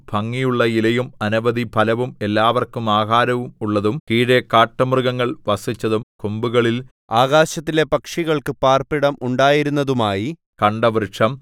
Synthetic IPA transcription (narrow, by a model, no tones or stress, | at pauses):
b̥ʱɐŋːijuɭːɐilɐjumɐnuʋɐðipʰɐlɐʋume̞lːaːʋɐrkumaːɦaːɾɐʋumuɭːɐðumkiːɽekaːʈːɐmrɨɣɐŋːɐɭʋɐsit͡ɕːɐðumkumbuɣɐɭil | aːɣaːɕɐt̪ːile̞pɐkʂiɣɐɭkɨpaːrpiɽɐmʔuɳɖaːjiɾunːɐðumaːji | kɐɳɖɐʋrɨʂɐm